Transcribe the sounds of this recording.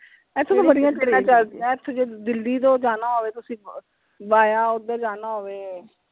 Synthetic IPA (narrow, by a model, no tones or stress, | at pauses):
ɛːt̪ʰːoːt̪õːbəɽɪjãːt͡ʃeɾãːt͡ʃaːd̪ijãːɛt̪ʰːoːd͡ʒeːd̪ɪld̪iːd̪õːd͡ʒaːnaːɦoːʋeːt̪ʊsĩː | baːjaːʊd̪əɾd͡ʒaːnaːɦoːʋeː